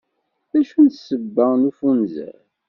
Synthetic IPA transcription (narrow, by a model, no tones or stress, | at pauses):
ðæʃunt̪səbːænufunzæ̰ɾ